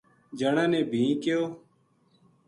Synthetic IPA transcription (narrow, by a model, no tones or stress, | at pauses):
d͡ʒəɳãːnẽːbʱĩːkejoː